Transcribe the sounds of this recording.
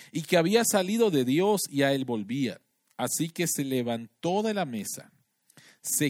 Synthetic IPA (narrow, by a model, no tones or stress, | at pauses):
ikeaβiasaliðo̞ðe̞ðjo̞siae̞lbo̞lβia̰ | asike̞se̞le̞βant̪o̞ðe̞lame̞sa̰ | se